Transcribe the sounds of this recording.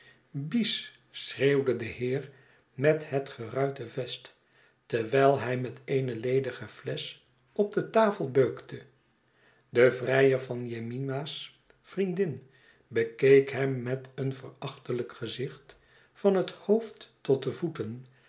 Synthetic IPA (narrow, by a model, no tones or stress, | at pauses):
bis | sreːwdədəhɪːr | mɛthətχərœɥtəvɛst | tɛɹʋɛjlˠɦɛjmɛteɪjnəlejdəχəvlɛs | ɔb̚dətaːfəlˠbøɥktʰə | dəvrɛjəɹvɑnjeminas | frindɪn | bəkejkɦɛmːɛtənvərɑχtələkχəzɪχt | fɑnɦəthowftːɔt̚dəvutən